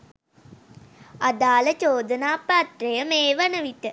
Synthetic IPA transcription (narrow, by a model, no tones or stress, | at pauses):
ad̪aːlət͡ʃoːd̪ənaːpat̪rejəmeːʋanəʋiʈə